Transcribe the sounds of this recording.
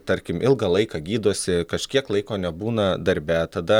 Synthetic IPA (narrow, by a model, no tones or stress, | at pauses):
t̪ɐɾʲkʲɪmʔɪlˠɡɐlˠɐɪkɐɡʲiːd̪oːsʲɪkɐʃʲkʲiɛklˠɐɪkoːnʲɛbuːnɐd̪ɐɾʲbʲæt̪ɐd̪ɐ